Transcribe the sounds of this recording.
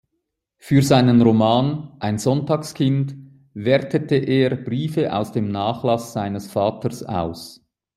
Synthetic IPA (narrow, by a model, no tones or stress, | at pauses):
fyːɐzaɪnənʁomaːnʔaɪnzɔntaːkskʰɪnd | vɛɐtətʰəʔeːʁb̥ʁiːfəʔa̰ʊsd̥eːmnaːχlasz̥aɪnəsfaːtʰəsa̰ʊs